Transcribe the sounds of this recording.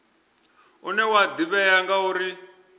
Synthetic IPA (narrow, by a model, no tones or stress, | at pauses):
unɛwad̪iβɛjaŋɡauɾi